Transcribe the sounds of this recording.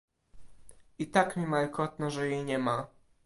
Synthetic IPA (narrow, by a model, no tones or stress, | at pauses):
it̪akmʲimalkɔt̪nɔʐɛjejɲɛma